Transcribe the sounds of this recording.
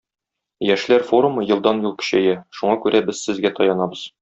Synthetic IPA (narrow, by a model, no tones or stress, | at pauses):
jæʃlæɾfo̞ɾumɤjɤ̆lˠd̪ɑnjulˠkɵ̥̆ɕæjæʃuɴɑkʉɾæbɘzsɘ̆zɡæt̪ʰɒjɑnɑbɤz̥